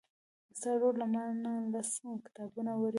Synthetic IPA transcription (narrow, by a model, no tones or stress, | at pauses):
saɽolamanalasmkɪ̥t̪ɑbunawaɾi